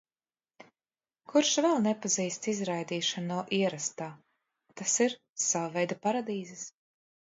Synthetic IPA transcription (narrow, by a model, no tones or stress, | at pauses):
kuɾʃvɛlˠnɛpaziːst̪izɾajd̪iːʃanɔːʔiɛɾast̪aː | t̪asiɾ | savavɛjd̪apaɾad̪iːzɛs